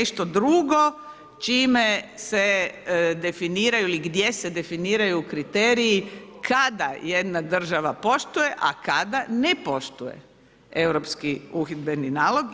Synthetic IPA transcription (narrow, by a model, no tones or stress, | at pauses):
eʃt̪od̪ɾuɡo̞ | t͡ʃiːmesed̪e̞finiːɾajuiliɡd̪je̞sed̪e̞finiːɾajuːkɾit̪eːɾijikʰad̪aje̞d̪nad̪r̩ʒaʋapo̞ʃt̪uje̞ʔa̰kad̪anepo̞ʃt̪ujḛ | e̞wɾopskiuxid̪be̞ninaːlˠo̞ɡ